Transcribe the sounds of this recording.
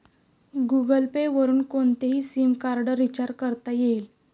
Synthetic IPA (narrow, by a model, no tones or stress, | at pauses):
ɡuɡəlpeʋəɾuːnkoɳt̪eɦiːsiːmkaɾɖəɾːit͡ɕaɾkəɾt̪ajeil